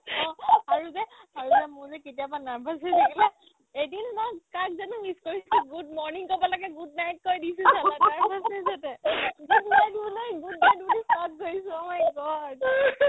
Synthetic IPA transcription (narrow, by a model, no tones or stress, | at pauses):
ɔ̃aɹuzɛ | aɹuzɛmʊɹzɛketijabanaɹbʱasezeɡilɛ | edinmɔjkak̚zanumiskoɹisiɡudmɔɹniŋkobɔlaɡɛɡud̚najt̚kojdisũsalaaɹbʱasezatɛɡudnajtbulijɡudnajt̚bulisɔt̚koɹisũɔmajɡɔd